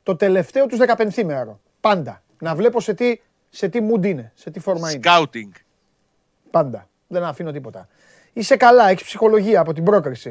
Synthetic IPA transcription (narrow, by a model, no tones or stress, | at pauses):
t̪o̞t̪e̞le̞ft̪e̞o̞t̪uzðe̞kɐpe̞nθimeɾo̞ | pɐnd̪ɐ | nɐvle̞po̞se̞t̪i | se̞t̪imud̪ine̞se̞t̪ifo̞ɾmɐineawt̪iŋɡ | pɐnd̪ɐ | ðe̞nɐfino̞t̪ipo̞t̪ɐ | ise̞kɐlɐe̞çispsixo̞lo̞ʝiɐːpo̞t̪ibɾo̞kɾisi